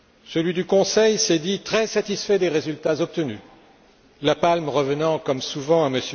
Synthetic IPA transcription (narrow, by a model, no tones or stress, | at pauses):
səlɥid̪ykɔ̃sɛjsɛd̪it̪χɛsat̪isfɛd̪eʁezylt̪azɔp̚t̪əny | lapalmʁəvənɑ̃kɔmsuvɑ̃aməsj